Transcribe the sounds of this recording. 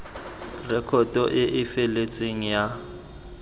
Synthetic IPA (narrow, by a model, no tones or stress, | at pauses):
rɛkʰɔtʼɔʔɪʔɪfelet͡sʼeŋ̩ja